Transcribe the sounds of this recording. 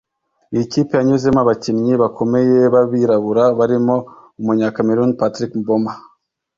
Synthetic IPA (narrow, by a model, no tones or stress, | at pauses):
ijiciːpejaɲuzemaβacinɲiβakʰo̞me̞je̞βaβiɾaβuɾaβaɾimo̞umuɲakameɾunpatɾikboma